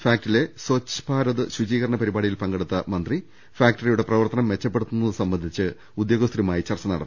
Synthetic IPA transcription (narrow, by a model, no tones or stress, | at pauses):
faːk̚ʈile̞soːt͡ɕːpaːɾɐðɨɕud͡ʑiːɣɐɾɐɳɐpɐɾibaːɽijilpɐŋɡe̞ɽut̪ːɐmɐnd̪ri | faːk̚ʈɐrijuɽe̞prɐʋɐrt̪ɐnɐmʋe̞t͡ɕːɐpːeɽut̪ːunːɐðɨsɐmbɐnd̪ʱit͡ɕːɨ | ud̪joːɡɐst̪rimaːjit͡ɕɐrt͡ɕːɐnɐ̰ɽɐt̪ː